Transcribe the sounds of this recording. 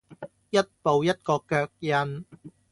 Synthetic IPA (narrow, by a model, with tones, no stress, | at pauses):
jɐ˥t̚po˨wjɐ˥t̚kɔː˧kœː˧k̚jɐ˧n